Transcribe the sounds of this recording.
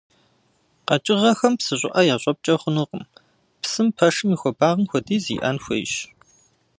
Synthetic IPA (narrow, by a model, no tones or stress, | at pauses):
qɐt͡ʃʼɪʁɐxɐmpsɨɕʷʼɪ̰ʔɐjaːɕʷʼɔp̚t͡ʃʼɐχʷʊnuːqəm | psɨmpʰɐʂɨmixʷɔbaːʁəmxʷɔdiːzḭːʔɐ̰nxʷɐ̰jʃ